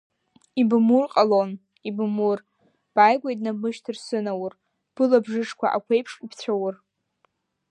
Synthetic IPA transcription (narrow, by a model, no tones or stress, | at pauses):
ibmurqʼalon | ibmur | b̥ajɡʷejdnamɨʃtʰɨrsɨnawʊr | b̥ɨlabʐɨʂkʷa̰ʔa̰kʷʰejpʰʂipʰt͡sʷʰawr